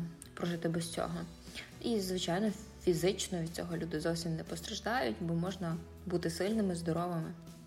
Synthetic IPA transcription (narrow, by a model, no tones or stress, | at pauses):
pɾɔʒɪt̪ɪbɛsʲt͡sʲɔ̰ɦɔ | izʋɪt͡ʃɑjnɔfʲizɪt͡ʃnɔʋʲid̪̚ʲt͡sʲɔ̰ɦɔlʲud̪ɪzɔwsʲimnɛpɔst̪ɾɐʒd̪ɑjʊtʲbɔmɔʒnɐ | but̪ɪsɪlʲnɪmɪzd̪ɔɾɔʋɐmɪ